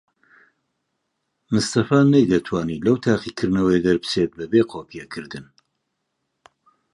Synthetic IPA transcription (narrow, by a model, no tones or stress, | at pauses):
mɨst̪ɐfaːnɐjd̪ɐt̪ʰwaːniːlɐwt̪ʰaːqikʰɨɾnɐwɐjd̪ɐɾpɨ̥seːt̪̚bɐbeːqʰoːpijɛkʰɨɾd̪ɨn